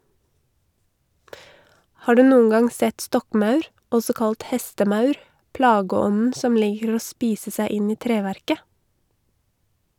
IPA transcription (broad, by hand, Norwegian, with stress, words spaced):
ˈhɑː ˈɖʉː ˈnuːən ˈɡɑŋ ˈsɛt ˈstɔkˌmɑʉɾ ˈɔsɔ ˈkɑlt ˈhɛstəˌmœʉɾ ˈplɑːɡəˌɔnn̩ ˈsɔm ˈliːkəɾ ˈoː ˈspiːsə ˈsæɪ ˈɪn ˈiː ˈtɾeːʋæɾkə